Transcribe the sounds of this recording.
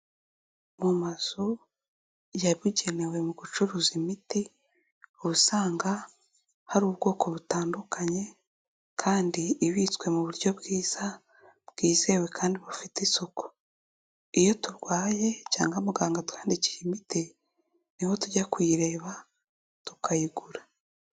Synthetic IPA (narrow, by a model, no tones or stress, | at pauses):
mumaz̥u | jaβuɟe̞ne̞we̞muɡut͡ʃuɾuːzimiti | uβusaːŋɡa | haɾuːβɡo̞ːko̞βutaːndukʰaɲe̞ | kʰaːndiːβit͡skwe̞muβuɾɟo̞bɡiːz̥a | bɡ̥iːze̞we̞kʰaːndiβufitisoko̥ | ijo̞tuɾɡwaːje̞ca̰ːŋɡamuɡaːŋɡatwaːndici̥jimiti | niho̞tuɟakuiɾe̞ːβa | tu̥kajiɡuɾa